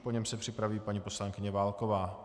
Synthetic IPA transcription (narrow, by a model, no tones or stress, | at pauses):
poɲɛmsɛpr̥ɪpɾaviːpaɲipo̞slaŋkɪɲɛvaːlkovaː